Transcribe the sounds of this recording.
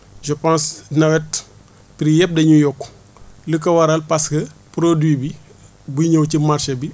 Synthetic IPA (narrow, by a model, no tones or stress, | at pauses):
ʒəpãsnɐwɛt | pɾijɛp̚dɐɲujɔkː | ləkːɐwɐɾɐlpaskɐpɾodwiːbi | bujiɲɐwcimarʃɐbi